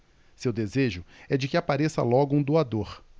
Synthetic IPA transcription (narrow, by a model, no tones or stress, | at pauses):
sewd̪ezeʒʊɛd͡ʒɪkɪapaɾesɐ̰lɔɡʊũd̪uad̪oɾ